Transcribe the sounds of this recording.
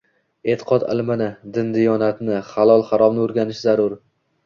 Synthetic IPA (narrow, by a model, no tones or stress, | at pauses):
e̞t̪ʰɪ̥qʰɒt̪ɪ̰lmɪnɪd̪ɪnd̪ɪjɒnat̪nɪχalˠɒlˠχaɾɒmnɪoɾɡʲanɪʃzaɾʊɾ